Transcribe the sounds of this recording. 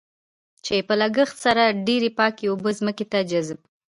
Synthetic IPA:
t͡ʃepəlaɡəxt̪saɾaɖeɾepɑkeobəzməket̪ad͡ʒazb

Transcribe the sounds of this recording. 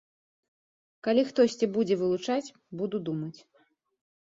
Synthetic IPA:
kalʲixt̪ɔsʲt͡sʲibud͡zʲɛvɨlˠut͡ʂat͡sʲ | bud̪ud̪umɐt͡sʲ

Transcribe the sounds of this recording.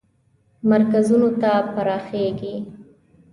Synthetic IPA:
maɾkazunot̪apaɾɑxeɡi

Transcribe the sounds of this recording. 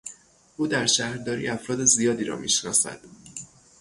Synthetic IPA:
ʔuːd̪æɾʃæhɾd̪ɒːɾḭːʔæfɾɒːd̪ezijɒːd̪iːɾɒ̰mḭːʃnɒ̰ːsæ̰d̪̥

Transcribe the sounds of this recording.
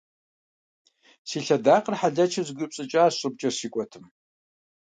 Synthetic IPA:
siːɬɐdaːqərħaɮɐt͡ʃʰɐzɡʷʊpɕʼɨt͡ʃʼaːɕʼɨb̚t͡ʃʼɐsiːkʷʼɔtʰɨm

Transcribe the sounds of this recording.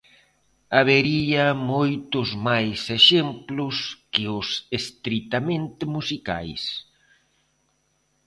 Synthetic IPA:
aβeɾiamojt̪ʊzmajseʃemplʊskɪʊsest̪ɾit̪amẽnt̪ɪmusika̰js

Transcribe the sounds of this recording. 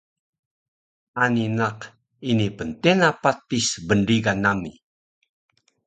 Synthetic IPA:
aninaq | inipəntenapatisbənɾiɡanami

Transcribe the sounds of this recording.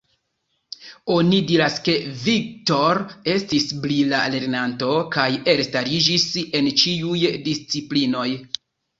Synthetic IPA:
o̞nidiɾaske̞vik̚to̞ɾe̞stisblilale̞ɾnanto̞kaje̞ɾstaɾid͡ʒise̞nt͡ʃiujdist͡siplino̞j

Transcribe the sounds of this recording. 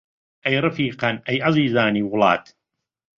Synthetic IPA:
ʔɐjɾˤɨfiːqɑnʔɐjʔɑziːzaːniːwʊlɑːd̪

